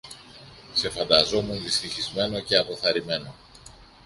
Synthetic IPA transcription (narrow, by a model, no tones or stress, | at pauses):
se̞fɐnd̪ɐzo̞munðist̪içizme̞no̞ce̞ɐpo̞θɐɾime̞no̞